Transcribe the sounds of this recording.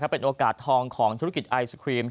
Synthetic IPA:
kʰa˦˥pːe˧nʔoː˧kaː˨˩t̪ʰːɔː˧ŋkʰɔː˩˦ŋt̪ʰu˦˥ɾa˥k̬i˨˩t̪̚ʔa˧jskʰɾiː˧m

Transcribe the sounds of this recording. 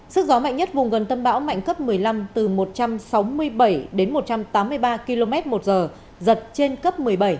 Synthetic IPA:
sɨ˦˥k̚zɔ˨˦ma̰˧˨jŋ̟ɲə˦˥t̚vʊ˨˩ŋ͡mɣə˨˩nt̪ə˧mɓa̰ː˧˥wma̰˧˨jŋkə˦˥p̚mɨ˨˩əjla˧mt̪ɨ˨˩mo˨˩t̚t͡ɕa˧msa˨˦wmɨ˧əjɓə˧˩jɗe˨˦nmo˨˩t̚t͡ɕa˧mt̪aː˨˦mːɨ˧əjɓaː˧ki˧lo˧mɛ˦˥t̚mo˨˩t̚zəː˨˩ | zə˨˩t̚t͡ɕe˧nkə˦˥p̚mɨ˨˩əjɓə˧˩j

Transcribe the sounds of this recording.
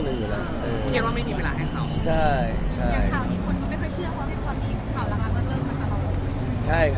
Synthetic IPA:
ne˧nweː˧˩la̰ː˧˦ʔɤː˧kʰi˧˩t̚waː˥˩ma˥˩jmiː˧we˧laː˧ɦa˥˩jkʰa˧˩wt͡ɕʰa˥˩˥jt͡ɕʰa˧˥˩a˨˩jkʰa˧˩iː˧˩kʰo˧˥nkɔː˧˩m˥˩jxɔ˥˩jt͡ɕʰɯ˥˩ɐwaː˥˩e˧˩kʰɔː˧˩iː˧˩kʰa˧˩wlaː˧˥ŋ̚la˧˥lɯ˧˥˩t̪̚lɯː˧˩kʰa˧˥˩nt̪a˧lɔː˨˩lo˧˩˧t͡ɕʰa˥˩j

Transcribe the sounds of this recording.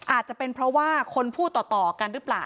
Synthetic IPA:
ʔaː˨˩t̪̚t͡ɕa˨˩pe˧npʰɾɔ˦˥waː˥˩kʰo˧npʰuː˥˩t̪ːɔː˨˩t̪ɔː˨˩ka˧nɾɯː˦˥plaː˨˩w

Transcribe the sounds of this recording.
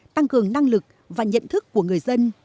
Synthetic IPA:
t̪a˧ŋkɨ˨˩əŋna˧ŋlɨ˨˩k̚ | vaː˨˩ɲə̰˧˨nt̪ʰɨ˦˥kːu˧˩əŋɨ˨˩əjzə˧n

